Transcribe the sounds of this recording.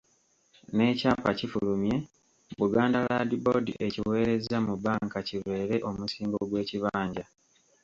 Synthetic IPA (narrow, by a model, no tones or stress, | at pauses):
ne̞caːpacifulumje̞ | βuɡaːndaladibo̞dḭʔeciwe̞ːɾe̞zamubaːŋkacilwe̞ːɾe̞ʔo̞musiːmɡoɡwe̞ːciβaːɲɟa